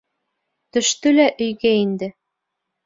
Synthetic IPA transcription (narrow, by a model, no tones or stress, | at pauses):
t̪ɵ̆ʃt̪ølæʔy̆jɣæind̪ɘ̆